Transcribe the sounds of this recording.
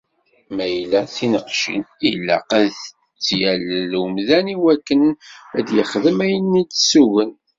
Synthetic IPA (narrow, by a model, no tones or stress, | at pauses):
mæjlæθinəqʃḭnilːæ̰qæðə | t͡sːjællmðæniwækːənæd̪jəχðəmæjənːitːsuɣən